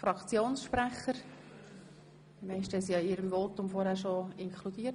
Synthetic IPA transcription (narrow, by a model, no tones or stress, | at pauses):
fɾɑkt͡sjoːnsʃpɾæχəɾ | dmɛɪsʃtɛsiɑɪɾəmvotʊmfoɾhæːɾʃoɪŋkʰlud̥iːə